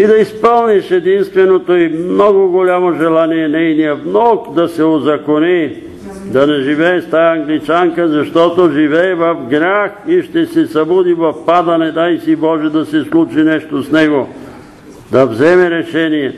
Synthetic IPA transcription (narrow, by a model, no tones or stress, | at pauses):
id̪ɐispəlˠniʃɛd̪inst̪vɛnot̪oimnɔɡʊɡolʲamoʒɛlˠaniɛnɛjniɐvnɔkd̪ɐsɛozɐkoni | d̪ɐnɛʒivɛːst̪ajəɐŋɡlit͡ʃaŋkəzɐʃt̪ɔt̪oʒivɛːvɐfɡɾaxiʃt̪ɛsɛsɐbud̪ivɐfpad̪ɐnɛd̪ajsibɔʒɛd̪ɐsɛslˠut͡ʃinɛʃt̪osnɛɡo | d̪ɐvzɛmɛɾɛʃɛnijɛ